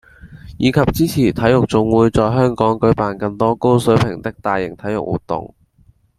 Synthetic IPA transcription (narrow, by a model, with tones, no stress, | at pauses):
jiː˨˧kʰɐ˨p̚t͡siː˥t͡sʰiː˨˩t̪ʰɐ˨˥jʊ˨k̚t͡sʊ˨ŋwuː˨˧jt͡sɔː˨˧jɦœː˥ŋkɔː˨˥ŋkɵ˨˥ɥpaː˨˩nkɐ˧nt̪ɔː˥ko˥wsɵ˨˥ɥpʰɪ˨˩ŋt̪ɪ˥k̚t̪aː˨jːɪ˨˩ŋt̪ʰɐ˨˥jʊ̰˨˩k̚wṵː˨˩t̪ʊ̰˨ŋ